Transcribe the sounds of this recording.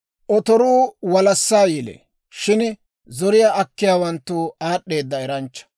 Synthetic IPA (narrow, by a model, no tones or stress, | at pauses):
ʔɔt̪ɔɾuːwɐlɐsːaːjɪlɛ̰ | ʃɪn | zɔɾɪjaʔɐkːɪjaːwɐnt̪ːuaːɗːe̞ːd̪ːɐɛɾɐnt͡ʃːɐ̥